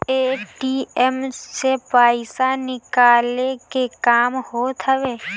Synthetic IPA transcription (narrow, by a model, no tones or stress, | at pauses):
eːʈiːɛmsepaːɪsanɪkaːlekekaːmhot̪ʰəʋeː